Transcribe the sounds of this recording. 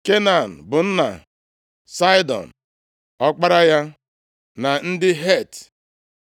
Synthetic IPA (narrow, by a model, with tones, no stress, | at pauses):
ke˦na˨n̩˨bʊ˨n̩˦na̰˨ | sa˦jdɔ̰˨n̩˨ | ɔ˦k͡pa˦ɾa˦ja˦ | na˨n̩˦dɪ˦ɦe˦˨t